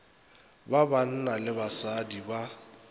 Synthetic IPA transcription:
baban̩nalɪbasadiba

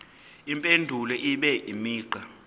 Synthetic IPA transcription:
impʼendʱulɛʔiɓɛʔimiːǃa

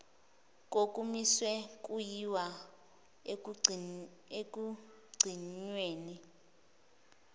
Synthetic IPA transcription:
k̬ʼokʼumiswɛk̬ʼujiwa | ekʼu | ɡ͡ǀʱiɲweːni

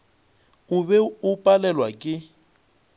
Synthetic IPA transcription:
ʊbɛʊpʼalɛlwakʼɪ

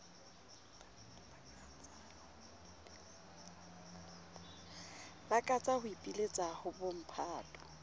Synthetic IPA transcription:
bakʼat͡sʼahʊipʼilet͡sʼahʊbom̩pʰaːtʼɔ̥

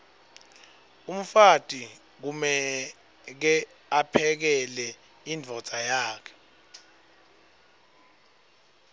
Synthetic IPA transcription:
um̩fatʼi | k̬umɛ | k̬ɛ | apʰɛk̬ɛlɛ | ind͡vʱɔ̥z̥ʱʼajaːkʰɛ̥

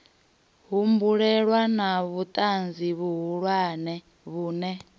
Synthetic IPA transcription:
ɦumbuɺɛɺwanaβut̪ʼand͡ziβuɦuɺwaːnɛ | βuːnɛ

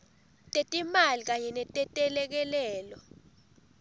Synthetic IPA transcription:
tʼɛtʼimalik̬aɲɛnɛtʼɛtʼɛlɛk̬ɛlɛːlɔ

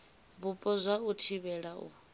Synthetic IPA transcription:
bupʼɔzʷautʰiβɛɺaʔṵ

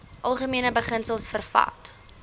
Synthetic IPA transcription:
ʔɐlˠχəmiənəbəχənsəlˠsfərfɐ̰t

